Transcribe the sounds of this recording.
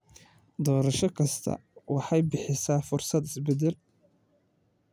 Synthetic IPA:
d̪ɔːɾɐʃɔkʰɐst̪ʰɐ̰wɑħɑjbɪħɪsaːfʊrsɐd̪ɪsbɛd̪ɛl

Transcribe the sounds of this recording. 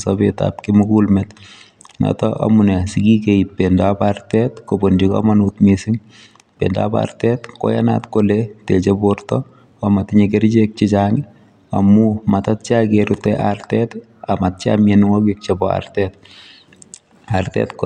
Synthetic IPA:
sɔbeta̰p̚kɪmʊkulmɛt | nɔ̰tɔʔa̰munɛsikikeipːendapartɛtkobondikɔ̰manutmisɪŋ | pḛnda̰pa̰rtɛtkɔ̰jana̰tkoletet͡ʃeboɾtɔ | amatɪɲekeɾt͡ʃek̚t͡ʃɪt͡ʃaŋɪ | amumatat̚t͡ʃakeɾutɛʔartɛt | amat̚t͡ʃa̰mjenŋɔkik̚t͡ʃɛbɔa̰rtɛt̚ | artɛ̰tk

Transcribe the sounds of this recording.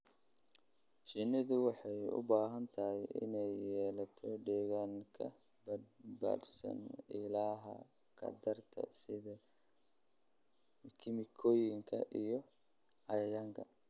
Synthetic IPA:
t͡ʃinɐðʊwɑħɑjʊ̰baːɦɐnt̪ʰɐɦɛjʔɪ̰nɛjːɛːlɐt̪ʰɔɖɛːɣaːŋkʰɐ̰ | bba̰ːrsɐ̰nɪlaːɦɐ̰ | kʰɐ̰d̪ɐrt̪ʰɐ̰sɪðɐ | kʰɪmɪkʰɔːjɪŋkʰɐ̰ʔijɔ | ʕɑjɐjaːŋkʰɐ

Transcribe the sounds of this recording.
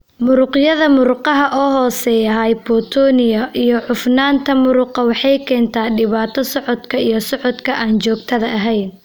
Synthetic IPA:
mʊɾʊqjɐðɐmʊɾʊqɑɦɐʔɔːɦɔːsɛjɐɦaːjbɔːt̪ʰɔːnɪjɐʔijɔʕʊfnaːnt̪ʰɐmʊɾʊqɑwɑħɑjkʰɛːnt̪ʰaːɖɪβaːt̪ʰɔsɔʕɔd̪kʰɐijɞsɔʕɔd̪kʰɐʔaːnt͡ʃɔːɡt̪ʰɐðɐʔɐɦɛjn

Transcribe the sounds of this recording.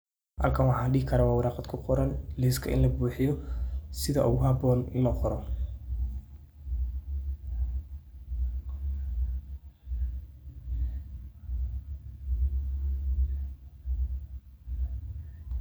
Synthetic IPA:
hɐ̰lkʰɐnwɑħɑːɖɪhɪkʰɐɾawɑːwɑɾɑːqɑd̪kʰʊqɔɾɐnlɪːskʰɐʔɪ̰nlɐbuːħɪjɔsɪðɐʊɣʊhɑbɔːnlɐqɔɾɔ

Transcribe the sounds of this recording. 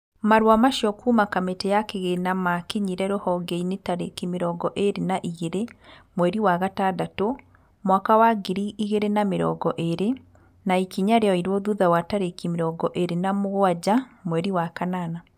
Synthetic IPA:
maɾwamaʃjɔkʰumakametɛjakeɣenamakeɲiɾɛɾohɔɡeinetaɾekimeɾɔːɡɔʔeɾenaʔiɣeɾemwɛɾiwaɣataːdato | mwakawaɡiɾiiɣeɾenameɾɔ̰ːɡɔʔeɾe | naikiɲaɾeɔiɾwɔðuðawataɾekimeɾɔːɡɔʔeɾenamoɣwad͡ʑamwɛɾiwakanana

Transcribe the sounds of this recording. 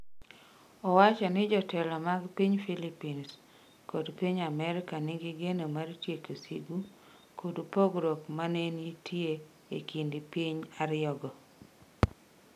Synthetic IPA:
ɔwat͡ʃɔnɪd͡ʒɔtɛlɔmaɡpiɲfilipins | kodpiɲamɛɾɪkanɪɡɪɡenomartjekosḭɡu | kʰodupoɡɾokmanenitʰje | ḛkindɪpiɲaɾɪjɔɡɔ

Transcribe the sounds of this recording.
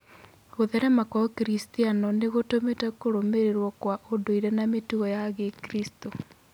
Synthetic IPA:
ɣoðɛɾɛmakɔkiɾistianɔneɣotometɛkoɾomeɾeɾwɔkwaʔodoiɾɛnametuɣɔjaɣekiɾisto

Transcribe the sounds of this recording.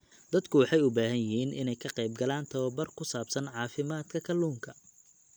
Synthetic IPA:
d̪̥ɐd̪kʰʊwɑħɑjʊbaːɦɐnjɪɦiːnʔɪ̰nɛjkʰɐqɛjb̚ɡɐlaːnt̪ʰɐwɔbɐrkʰʊsaːbsɐnʕɑːfɪmaːd̪kʰɐkʰɐluːŋkʰɐ

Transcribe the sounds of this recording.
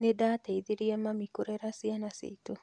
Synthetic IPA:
nedaːteiðiɾiamamikuɾeɾasianasḭitu

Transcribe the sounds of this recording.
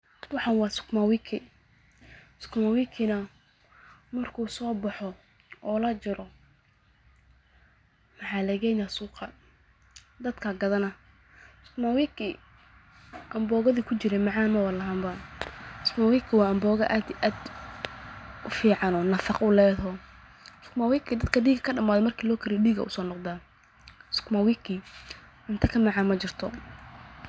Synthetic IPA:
wʊħɑnwɑːsʊ̥kmawiːkʰɪ | sʊ̥kʰmawikʰɪnɐ | mɐrkʰuːsɔːbɑħɔ | ɔːlɐt͡ʃɪɾɔ | mɑħɑːlɐɣɛːjnasuːqɑ | d̪ɐd̪kʰɐɡɐðɐnɐ | sʊ̥kmawikʰɪ | ʔɐmbɔːɣɐðiːkʰʊt͡ʃɪɾɛmɑʕaːnmɐwɐɾlɐɦaːmba | skmawiːkʰɪwɑːɐmbɔːɣɐʔaːd̪ʔaːd̪ | ʔʊfiːʕɑnɔːnɐfɑqʊlɛːðɔː | skʊmawiːkʰid̪ɐd̪kʰɐɖiːɡɐkʰɐɖɐmaːðɔmɐrkʰiːlɔːkʰɐɾɪjɛɗiːɡɐ̰ʔʊ̰sɔːnɔqd̪aː | skʰʊmawiːkʰi | ʔɪnt̪ʰɐkʰɐmɑʕɑːnmɐt͡ʃɪrt̪ʰɔ

